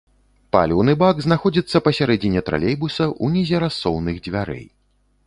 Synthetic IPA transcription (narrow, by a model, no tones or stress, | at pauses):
pa̰lʲɛwnɨbaɡznaxɔd͡zʲit̪sːɐpɐsʲaɾɛd͡zʲinʲɛt̪ɾa̰lʲejbusɐʔunʲɛzʲɛɾasːɔwnɨɣd͡zʲvʲaɾɛ̰j